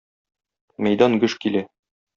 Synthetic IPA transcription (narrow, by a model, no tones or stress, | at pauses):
mæjd̪ɑnɡɵʃkilæ